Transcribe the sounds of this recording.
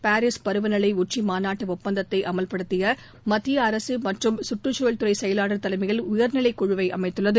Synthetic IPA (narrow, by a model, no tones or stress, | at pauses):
paːɾɪspɐɾɯʋɐnɐɭɐɪʊt͡ʃːimaːnaːʈːɯʊpːɐnd̪ɐt̪ːɐɪʔɐmɐlpɐɽɯt̪ːɪjɐ | mɐt̪ːɪjɐɐɾɐsɯmɐʈrɯmsʊʈrɯt͡ʃːoːɐlt̪ɯɾɐɪsɛjɐlaːɽɐɾt̪ːɐlɐɪmɪɣɐlʊjɐɾnɪlɐɪkːʊɻɯʋɐɪʔɐ̰mɐɪt̪ːɯɭːɐðɯ